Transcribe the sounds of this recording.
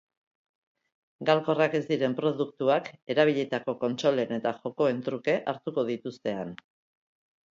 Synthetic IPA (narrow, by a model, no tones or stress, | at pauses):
ɡalko̞rake̞zd̪iɾe̞mpɾo̞ðukt̪uake̞ɾaβ̞iʎe̞t̪ako̞ko̞nt͡ʃo̞le̞ne̞t̪axo̞ko̞e̞nt̪ɾuke̞ʔaɾt̪uko̞ð̞it̪ust̪e̞an